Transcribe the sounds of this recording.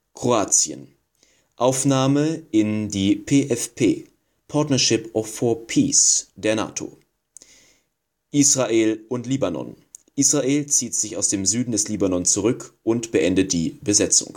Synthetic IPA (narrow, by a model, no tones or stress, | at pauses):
kʁ̥oaːt͡sjə̰n | ʔaʊfnaːməʔɪndiːpʰeːʔɛfpʰeː | pʰaɐtnɐʃɪpʔɔfɔɐpʰiːsd̥eːɐna̰ːtʰo̰ː | ʔiːsʁ̥aʔeːlʔʊntliːbanɔ̰n | ʔiːsʁaʔeːlt͡siːtz̥ɪçaʊsd̥eːmzyːdn̩dɛsliːbanɔnt͡suʁʏkʔʊntb̥əʔɛndət̚d̥ḭːbəzɛt͡sʊ̰ŋ